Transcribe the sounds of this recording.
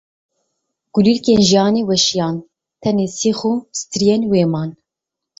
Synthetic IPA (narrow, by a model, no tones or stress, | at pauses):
ɡ̥ulilkeːnʒijɑːneːwɛʃijɑːn | t̪ʰɛneːsiːxosɨ̥t̪ʰɨɾijenweːmɑːn